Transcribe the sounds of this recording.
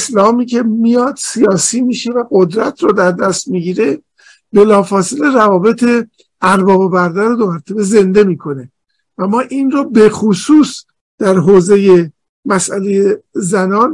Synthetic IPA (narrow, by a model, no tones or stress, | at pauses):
slɒːmiːcʰe̞mijɒːd̪̥sijɒːsiːmiːʃe̞væɡo̞d̪ɾæt̪ʰɾɔd̪æɾd̪æst̪miɟiːɾe̞ | be̞lɒːfɒːsele̞ɾævɒːbe̞t̪ʰe̞ | æɾbɒːbobæɾd̪æɾod̪omæɾt̪ʰebe̞ze̞nd̪e̞miːkʰo̞ne | væmːɒːʔiːnrɔːbe̞xosuːs | d̪̥æɾɦoːze̞je̞ | mæsæle̞jezænɒːn